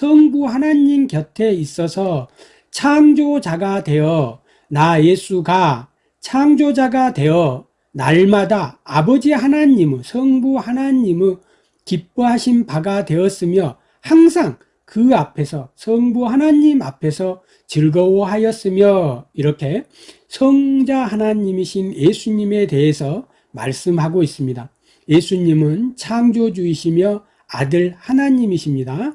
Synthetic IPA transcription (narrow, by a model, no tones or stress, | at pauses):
sʰʌŋbuhanaɲimkjʌtʰe̞is͈ʌsʰʌ | t͡ɕʰaŋd͡ʑod͡ʑaɡatwe̞jʌ | naje̞sʰuɡa | t͡ɕʰaŋd͡ʑod͡ʑaɡatwe̞jʌ | naɭmadaːbʌd͡ʑihanaɲimɯɭsʰʌŋbuhanaɲimɯ | kip͈̚uɦaɕʰinpaɡatwe̞ʌs͈ɯmjʌ | haŋs̬ʰaŋ | kɯapʰe̞sʰʌsʰʌŋbuɦanaɲima̰pʰe̞sʰʌ | t͡ɕɯɭɡʌwʌɦajʌs͈ɯmjʌiɾʌkʰe̞ | sʰʌŋd͡ʑahanaɲimiɕʰinje̞sʰuɲime̞te̞ɦesʰʌ | maɭs͈ɯmɦaɡois͈ɯmɲida | je̞sʰuɲimɯnt͡ɕʰaŋd͡ʑod͡ʑuiɕʰimjʌ | a̰dɯɭhanaɲimiɕʰimɲida